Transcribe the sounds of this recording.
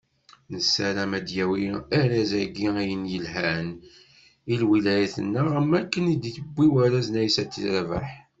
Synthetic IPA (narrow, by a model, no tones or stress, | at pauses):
nəsæɾæmæd̪jæwiæɾæzæɡiæjənjəlhæn | ilwilæjæθə̰nːəʁəmːækːənid̪iθəbːiwæɾæznæjsæt̪ːiləɾvæ̰ħ